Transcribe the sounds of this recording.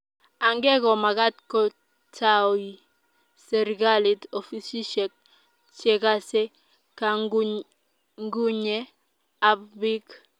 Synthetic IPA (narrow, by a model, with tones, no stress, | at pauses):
a˨ŋɡɛ˦kɔ˨ma˨ka˦tkɔ˦ | tʰawi˨ | sɛ˨ɾɡa˦li˨to˨fi˦si˦ʃɛk̚ | t͡ʃɛka˦sɛ˦ | kaɡ | ŋɡu˦ɲɛ˦ | abbi˦k